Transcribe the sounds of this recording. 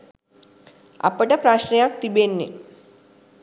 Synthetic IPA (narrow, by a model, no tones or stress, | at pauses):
a̰pəʈəpɾaɕnejak̚t̪ibenːḭ